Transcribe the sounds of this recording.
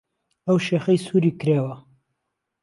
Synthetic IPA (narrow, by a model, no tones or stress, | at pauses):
awʃexəjsuɾikɾewa